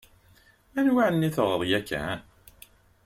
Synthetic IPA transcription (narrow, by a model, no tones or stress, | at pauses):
ænwaʕənːiθəʁəðˤjækːæ̰